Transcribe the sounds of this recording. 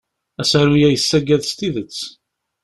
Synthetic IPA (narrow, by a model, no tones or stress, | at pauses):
æsaɾujæjəsːæɡæðst̪iðət͡sː